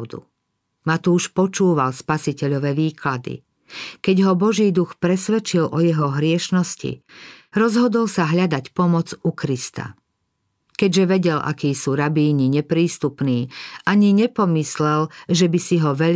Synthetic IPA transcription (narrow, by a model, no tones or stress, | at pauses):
d̪ṵ | mat̪uːʃpɔt͡ʃuːʋalspasicɛʎɔʋɛːʋiːklad̪ḭ | kɛɟɦɔbɔʒiːd̪uxpɾɛsʋɛt͡ʃilɔjɛɦɔɦɾɪɛʃnɔscḭɾɔzɦɔd̪ɔlsaɦʎad̪acpɔmɔd͡zukɾist̪a̰ | kɛɟʒɛʋɛɟɛlʔa̰kiːsuːɾabiːɲiɲɛpɾiːst̪upniːʔaɲiɲɛpɔmislɛlʒɛbisiɦɔʋɛʎ